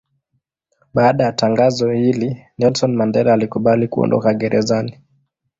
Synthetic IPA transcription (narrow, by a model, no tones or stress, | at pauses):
ɓaːɗajataŋɡazɔhilinɛlsɔnmandɛɾaːlikuɓalikuɔ̰ndɔ̰kaɠɛɾʔɛzani